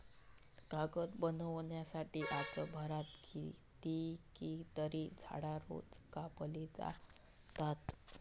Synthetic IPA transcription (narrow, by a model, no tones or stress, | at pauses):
ɡaɡət̪bənəʋɳjasaʈiːʔat͡səbʱəɾat̪ɡi | t̪ikit̪əɾid͡zʱa̰ɽaɾo̰d͡zkapəlid͡za̰ | t̪at̪